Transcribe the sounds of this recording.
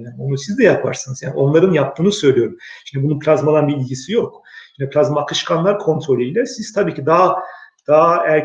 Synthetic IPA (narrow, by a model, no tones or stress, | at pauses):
ano̞nusizd̪ɛjapʰa̰ɾsɯnɯzjaːnio̞nlˠaɾɯnjap̚t̪ʰɯːnɯsø̞jlʲijo̞ɾumʃimd̪ɛbununpʰlʲazmad̪anbiːlʲɟisijokʃʃimd̪ɛpʰlʲazmakʰɯʃkʰanlˠaɾkʰo̞nt̪ʰɾo̞lʲyilʲɛsiz̥t̪ʰabiːcʰid̪aːd̪̥aæɾ